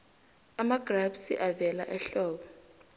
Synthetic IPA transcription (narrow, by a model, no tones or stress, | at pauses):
amaɡ̥rabsiʔavɛlaʔɛɬɔːɓɔ